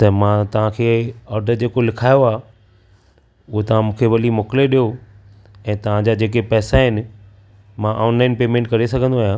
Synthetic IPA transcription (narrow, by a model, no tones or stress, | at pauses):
t̪ɐmãt̪ɐʋ̤ãkʰeːɔːɾɖəɾd͡ʑeːkolɪkʰaːjoaː | ʊɦot̪ɐʋ̤ãmũːkʰeʋɐlimoːkɪleɗijo | ɛ̃ːt̪ɐʋ̤ãd͡ʑaːd͡ʑeːkepɛːsaɦɪnɪ̆ | mãʔɔːnlaːɪnpeːmẽːɳʈkɐɾesɐɡʱə̃nd̪oaːijã